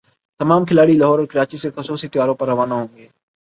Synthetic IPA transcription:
t̪ɐmaːmkʰɪlaːɽiləɦɔːɾɔːɾkɪɾaːt͡ʃisexəsuːsit̪ɪjaːɾõːpɐɾːɐʋaːnaɦõːŋɡeː

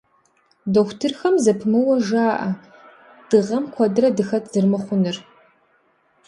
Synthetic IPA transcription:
doxʷtʰɨrxɐmzɐpʰmɨwɐʒaːʔɐ | d̥ɨʁɐmkʷʰɐdɨrɐdɨxɐtʰz̥ɨrmɐχʷʊnɨr

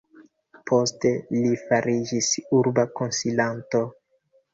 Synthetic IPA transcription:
pʰo̞ste̞lifaɾid͡ʒisuɾbakonsilanto̞

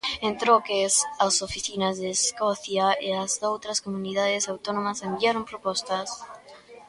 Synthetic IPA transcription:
ent̪ɾokesasofiθinazðeːskoθjaeazðowt̪ɾaskomuniðað̞esawt̪onomasembiaɾompɾopost̪as

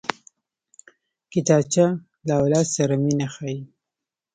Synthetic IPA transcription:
kɪt̪ɑt͡ʃa | lawlɑsaɾaminaxaji

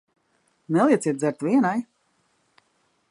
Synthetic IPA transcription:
nɛlˠiɛsiɛt̪̚zɛɾt̪viɛnaj

